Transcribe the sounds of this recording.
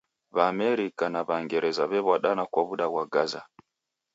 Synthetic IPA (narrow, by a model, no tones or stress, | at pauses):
βamɛɾikanaβaŋɡɛɾɛzaβɛβwaɗanakwaβuɗaβwaɡaza̰